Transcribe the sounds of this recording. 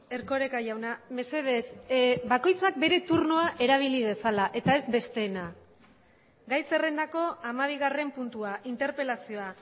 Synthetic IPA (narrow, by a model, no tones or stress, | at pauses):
e̞ɾko̞ɾe̞kajawname̞se̞ð̞e̞sbako̞jt͡sak̚be̞ɾe̞t̪uɾno̞aʔe̞ɾaβ̞ilið̞e̞salaʔe̞t̪ae̞zbe̞st̪e̞ːna | ɡajse̞re̞nd̪ako̞amaβ̞iɣare̞mpunt̪uaʔint̪e̞ɾpe̞lasio̞a